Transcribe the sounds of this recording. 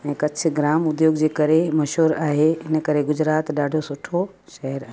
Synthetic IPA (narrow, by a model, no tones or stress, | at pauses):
ɛ̃ːkɐt͡ɕ̆ʰɡɾaːmʊd̪joːɡd͡ʑeːkɐɾemɐʃɦuːɾaːɦeɪnə̆kɐɾeɡʊd͡ʑɾaːt̪ɗaːɖʱosʊʈʰo | ʃɐɦəɾaː